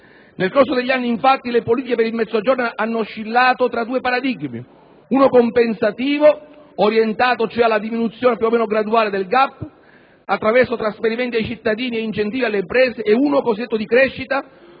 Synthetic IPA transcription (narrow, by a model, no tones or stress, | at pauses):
nelkorsod̪eʎːanːiiɱfat̪ːilepoliːt̪ikepeɾilmɛd̪zːoad͡ʒornaʔanːoʃːilːaːt̪ot̪ɾad̪uːepaɾad̪iɡmḭ | uːnokompensat̪iːvo | oɾjent̪aːt̪ot͡ʃoɛalːad̪iminut̪sːjoːnepjuomːɛːnoɡɾad̪uaːled̪elɡapː | at̪ːɾavɛrsot̪ɾasfeɾimɛnt̪iajt͡ʃit̪ːad̪iːnieint͡ʃent̪iːvialːeimpɾɛːseːuːnokosid̪et̪ːod̪ikɾɛʃːit̪a